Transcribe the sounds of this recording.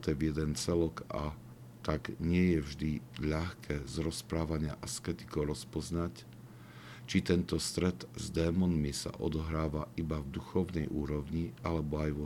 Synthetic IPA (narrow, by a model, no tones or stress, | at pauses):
t̪ɛvjɛd̪ɛnt͡sɛlɔka̰ | t̪aɡɲɪɛjɛvʒd̪iʎaxkʰɛːzɾɔspɾaːʋaɲɪaʔaskɛt̪i̥kɔʊɾɔspɔznac | t͡ʃit̪ɛnt̪ɔst̪ɾɛt̪zd̪ɛːmɔnmisa̰ʔɔ̰d̪ɔɦɾaːʋaʔibavd̪uxɔʊnɛjʔuːɾɔʊɲialɛbɔajʋɔ